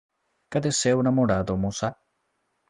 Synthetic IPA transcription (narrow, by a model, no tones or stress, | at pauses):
kad̪esewnamoɽad̪omosa